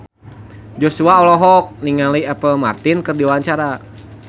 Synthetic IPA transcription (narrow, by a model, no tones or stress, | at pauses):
d͡ʒosuaɔlɔɦɔk̚niŋaliɛpəlma̰rt̪inkɨrdiwaɲt͡ʃaɾa